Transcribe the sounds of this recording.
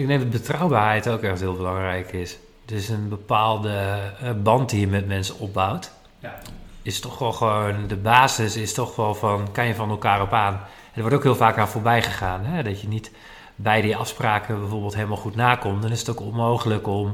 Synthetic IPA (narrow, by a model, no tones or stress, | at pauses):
ɪk̚neŋdɔt̚bətrawbaːrɦɛjtowkɛxthɪːlˠbəlɑŋrɛjkɪs | døsənbəpaːlˠdəbɑntdijəmɛtmɛnsənɔp̚bawt | ɪstɔxʋɔlˠxəʋoːndəbaːzɪsɪstɔxʋɔlˠfɔnkanjəfɔnɛlˠkaːɾɔpaːn | ɛdəʋɔɹtokɦɪːlˠfaːkafoːɹbɛjχəχaːnɦɛdɔtjənit | bɛjdiɑfspraːkʰəbɛjvoːɹbəlˠtɦeːləmalˠxutnaːkɔmtdɔnɪsətokɔnmowxələkɔm